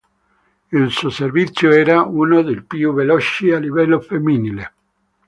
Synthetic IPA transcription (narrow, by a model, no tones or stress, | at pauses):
ilsuoservit̪sːjoɛːɾauːnod̪elpjuvelɔt͡ʃialivɛlːofemːinile